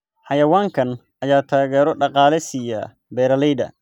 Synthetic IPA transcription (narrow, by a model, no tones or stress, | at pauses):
ħɑjɐwaːŋkʰɐn | ʔɐjaːt̪ʰaːɣɛːɾɔɖɑqɑːlɛsijɐ | bɛːɾɐlɛjd̪ɐ̰